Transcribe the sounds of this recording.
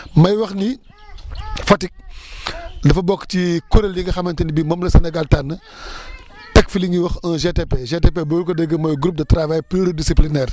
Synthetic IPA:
mɐjwɐxni | fɐtik̚ | dɐfɐbɔkːtikɔɾeljiŋɡɐxɐmɐntɐnibimɐmlɐsɐnɐɡaltanːə | tɛkfiliŋɡiwɐxɐʒetepeʒetepebokɔdəɡːəmɐjɡɾup̚dɐtɾavajpiɾodisiplinɛːr

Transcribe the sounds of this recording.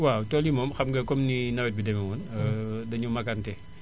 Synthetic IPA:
watɔlimɔmxɐmɡɐkɔmninɐwɛt̚bidɛmɛŋɔndɐɲumɐkantɛ

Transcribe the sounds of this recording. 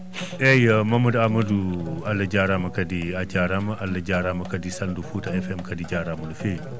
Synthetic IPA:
ɛjmɐmɐduamɐdualːɐd͡ʒaɾamɐkɐdiad͡ʒaɾamɐʔalːɐd͡ʒaɾamɐkɐdisɐldufutɐɛfɛmkɐdid͡ʒaɾamɐdufej

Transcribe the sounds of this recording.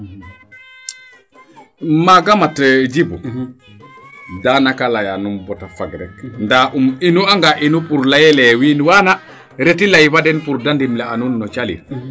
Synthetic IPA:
maɡamatd͡ʒibu | danakalajanumbɔtafaɡɾɛkndaʔuminuaŋɡaʔinupuɾlajɛlɛwinwana | ɾetilajfadɛnpuɾdandimlɛanunːɔt͡ʃalḭɾ

